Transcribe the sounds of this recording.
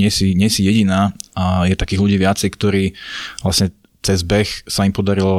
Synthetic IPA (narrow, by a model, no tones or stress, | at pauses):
ɪɛsiɲɪɛsijɛɟinaːajɛt̪akiːɣluɟiːʋɪat͡sɛjkt̪ɔɾiːʋlasɲɛ | t͡sɛzbɛxsaimpɔd̪aɾilɔ